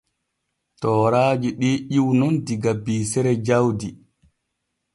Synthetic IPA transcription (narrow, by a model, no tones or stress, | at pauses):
tɔːɾaːd͡ʒiɗiʔiwnɔndiɡabiːsɛɾɛd͡ʒawdi